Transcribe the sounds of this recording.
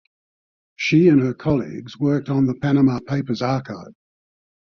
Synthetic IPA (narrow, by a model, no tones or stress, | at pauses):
ʃiə̃nəkʰɒlˠḭɡzwɜˑk̚tn̩ðəpʰæñəmɑpʰeɪpəzɑˑkʰaɪv̥